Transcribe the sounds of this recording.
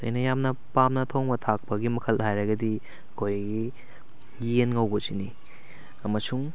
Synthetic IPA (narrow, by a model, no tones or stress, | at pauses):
ɐ̰jnɐjamnɐpamnɐtʰoŋbɐtʰak̚pɐɡimɐkʰɐlhajɾɐɡɐdi | ɐkʰojɡi | ɡienŋɐwbɐsini | ɐmɐsuŋ